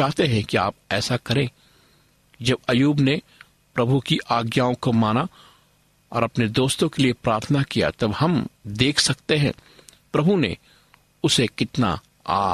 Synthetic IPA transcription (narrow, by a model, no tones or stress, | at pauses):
t͡ʃaːɦt̪eɦɛ̃kia̰ːp̚ɛːsakɐɾẽ | d͡ʒɐbɐjuːbne | pɾɐbʱukiʔaːɡjaːõkomaːna | ɔːɾɐpned̪oːst̪õkeliepɾaːɾt̪ʰənakija̰t̪ɐbhɐmd̪eːkʰsɐk̚t̪eɦɛ̰̃pɾɐbʱunḛ | ʊsekɪt̪na̰ | a̰ː